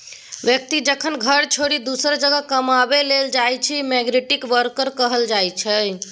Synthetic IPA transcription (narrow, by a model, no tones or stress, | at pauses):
ʋjək̚t̪id͡ʒəkʰənɡʱəɾt͡ʃʰoɾid̪usəɾd͡ʒəɡəkəmabeleld͡ʒajt͡ʃʰimɛɡɾeʈikʋəɾkəɾkəɦəld͡ʒajt͡ʃʰə